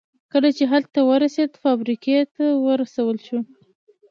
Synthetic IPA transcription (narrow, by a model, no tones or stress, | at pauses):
kəlat͡ʃeɦalt̪ːawəɾased̪fɑbɾiket̪awəɾasawəlʃu